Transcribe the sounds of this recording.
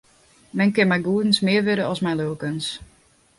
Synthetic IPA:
mɛnkɪnmɛjɡuədən̩smɪərʋɪɾəɔsmɛjløːəkəns

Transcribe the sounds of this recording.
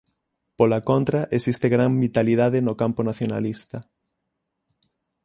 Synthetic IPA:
polakont̪ɾaʔesist̪eɣɾaŋbit̪aliðaðenokamponaθjona̰list̪ɐ

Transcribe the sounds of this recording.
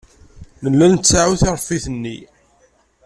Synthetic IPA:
nəlːænt̪saʕuθɪɾˤfːiθənːi

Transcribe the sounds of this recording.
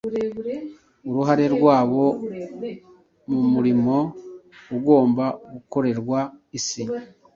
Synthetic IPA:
uɾuɦaɾe̞ɾɡwaːβo̞ | mumuɾimo̞uɡo̞ːmbaɡuko̞ɾe̞ɾɡwaisi

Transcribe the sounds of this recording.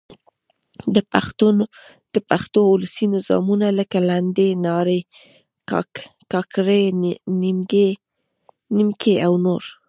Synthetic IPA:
d̪əpaxt̪un | d̪̥əpaxt̪oʊləsinɪzɑ̰munaləkaland̪enɑɾe | kɑkɾenimɡe | nimkʰeawnoɾ

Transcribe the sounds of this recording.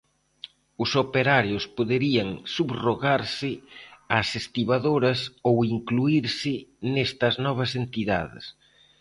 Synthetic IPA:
ʊsopeɾaɾjʊspoðeɾiɐŋsubroɣaɾsɪasest̪iβaðoɾɐsowiŋkluiɾsɪnest̪ɐznɔβ̞ɐsent̪iða̰ðɪ̰s

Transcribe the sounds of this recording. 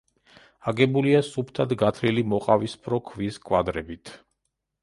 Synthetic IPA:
aɡɛbuliasupʰt̪ʰad̪ɡat̪ʰɾilimɔqʼavispʰɾɔkʰviskʼwad̪ɾɛbit̪ʰ

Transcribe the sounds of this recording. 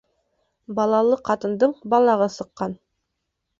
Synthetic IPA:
bɑlˠɑlˠɤqʰɑt̪ɤ̆nd̪ɤɴbɑlˠɑʁɤsɤ̆qːɑn

